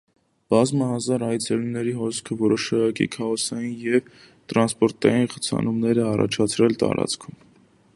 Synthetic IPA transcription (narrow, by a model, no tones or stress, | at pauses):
b̥ɑzməhɑzɑɾɑj̪d͡zɛlumnɛɾiɦɔskʰəvɔɾɔʃɑɑkḭkʰɑɔsɑjinjɛv | t̪ɾɑnspɔɾt̪ɑ̰jinχə̥t͡sʰɑ̰numnɛɾəɑrɑ̰t͡ʃʰɑt͡sʰɾɛlt̪ɑ̰ɾɑ̰t͡skʰum